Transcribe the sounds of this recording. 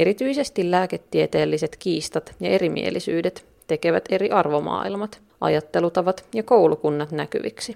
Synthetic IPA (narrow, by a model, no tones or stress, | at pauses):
eɾit̪yjse̞st̪illæːke̞t̪ːiet̪e̞ːlːise̞t̪kiːst̪ɑt̪jɑe̞ɾimḭḛlisy̰ːdet̪ | t̪eke̞ʋæt̪e̞ɾiʔɑrʋo̞mɑ̰ːilmɑt̪ | ʔɑ̰jɑt̪ːe̞lut̪ɑʋɑt̪jɑko̞wlukunːɑt̪næky̰ʋḭksi